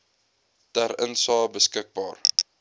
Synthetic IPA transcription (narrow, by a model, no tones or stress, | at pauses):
tæɾənsɑːbəskək̚bɑːr